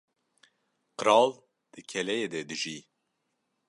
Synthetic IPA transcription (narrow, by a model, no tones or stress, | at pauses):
qəɾɑːl | d̪̥ɨkʰɛlɛjed̪ɛd̪ɨʒiː